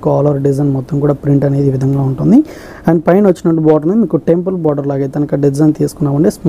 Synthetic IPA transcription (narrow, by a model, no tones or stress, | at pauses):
kuaːlɐɾɖizɐjnmɔt̪ːɐmkuːɽaːpɾiɳʈɐne̞ːd̪iːʋid̪ʱɐŋɡaːuɳʈund̪i | aːnpɐjnʋɐt͡ʃːinɐʈːubɔːɖɐɾnumiːkuʈempɐlbaːɖɐɾlaːɡɐjt̪eɐnɐkɐɖid͡ʒɐjnt̪iːsu̥kunːaːʋuɳɖeːs